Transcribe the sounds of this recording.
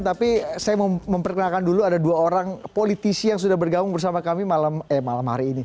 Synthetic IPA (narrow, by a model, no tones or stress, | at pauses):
t̪apisajamməmpərkənakanduluadaduaoɾaŋpolit̪isijaŋs̬udahbərɡamʊŋbərsamakamimalammalamɦa̰ɾiːni